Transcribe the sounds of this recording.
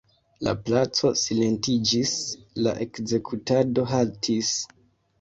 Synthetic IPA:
la̰plat͡so̞sile̞ntid͡ʒisla̰ʔe̞kze̞kʰutado̞ɦaltʰis

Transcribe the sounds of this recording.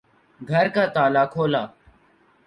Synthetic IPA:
ɡʱəɾkaːt̪aːlaːkʰoːlaː

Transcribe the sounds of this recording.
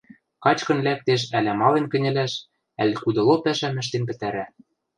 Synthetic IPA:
kɑt͡ɕkɤ̆nlæk̚t̪eʃ̬ælæmɑlenkɘ̆nʲɘ̆læʃ | ælʲkud̪ɤ̆lopæʃæmɘ̆ʃ̬t̪enpɘ̆t̪æɾæ

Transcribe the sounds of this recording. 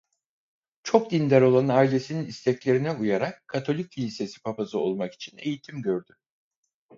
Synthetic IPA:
t͡ʃʰo̞k̚d̪ind̪æɾo̞lˠanaːilʲe̞sininist̪ʰɛclʲe̞ɾinɛujaɾakʰːat̪ʰo̞lʲic̚ʲʰːilʲise̞si̥pʰapasɯo̰lˠmaki̥t͡ʃʰinejit̪ʰimɟø̞ɾd̪y

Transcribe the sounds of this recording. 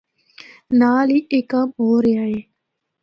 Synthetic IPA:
naːliːʔekaːmɦoːɾeaeː

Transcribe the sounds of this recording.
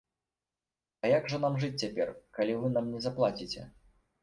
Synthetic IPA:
ɐjaɡʐɐnamʐɨt͡sʲt͡sʲapʲɛrkalʲivɨnamnʲɛzaplˠat͡sʲit͡sʲɛ̰

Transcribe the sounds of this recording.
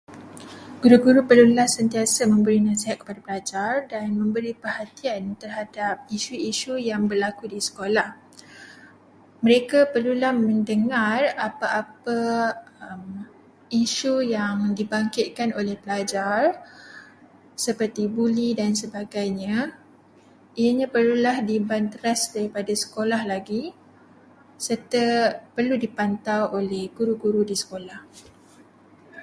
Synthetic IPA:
ɡ̥uɾuɡuɾupərlulahsənt̪iasamə̃mbəɾinaseɦat̪̚kə̥padapəlad͡ʒardanmə̃mbəɾipərhat̪iant̪ərɦadap̚iʃuiʃujaŋbərlakudisə̥kolah | mə̃ɾekapərlulahmə̃ndəŋarapaʔːpaəm | iʃujaŋdibaŋkɪt̪̚kanolɛhpəlad͡ʒar | səpərt̪ibulidansəbaɡajɲã | iaɲãpərlulahdibant̪əɾasdaɾipadasə̥kolahlaɡi | sərt̪apərludipant̪awolɛhɡuɾuɡuɾudisə̥kolah

